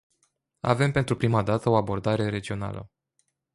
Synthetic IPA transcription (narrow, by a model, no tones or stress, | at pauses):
a̰ve̞mpe̞nt̪ɾupɾimad̪at̪əo̞abo̞rd̪aɾe̞ɾe̞d͡ʒio̞na̰lə̰